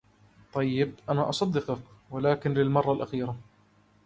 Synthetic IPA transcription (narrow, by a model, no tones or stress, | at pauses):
t̪ˤɑjːɪb̚ʔanaːʔɑsˤɑd̪ːɪqʊkwalaːkɪnlɪlmɑrˤːɑlʔaxiːɾa